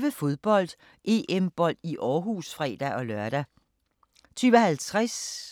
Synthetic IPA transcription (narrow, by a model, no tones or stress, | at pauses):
ʋəfo̝ð̞ˠb̥ɒ̽l̰d̥ | ʔe̝ːʔemb̥ɒ̽l̰d̥iʔɒːɦuːsfʁɛ̰ːd̥æʔɒ̽lɶɐɾ̥æ | t͡sʰyːʋəhælt͡sʰʁas